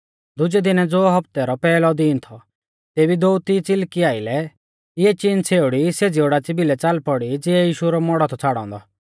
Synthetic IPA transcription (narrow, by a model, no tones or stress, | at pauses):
d̪ʊd͡ʒɛd̪ɪnɛd͡zoːɦɐpt̪ɛɾɔpɛːlɔd̪iːnt̪ʰɔ | t̪eːbid̪oːut̪it͡sɪlkiaːɪlɛ | ɪɛt͡ʃint͡sʰeːʊɽised͡zioɽat͡sɪbilɛt͡salpɔɽid͡zɪɛjiːʃuɾɔmɔɽɔt̪ʰɔt͡sʰaɽɔ̰̃ːnd̪ɔ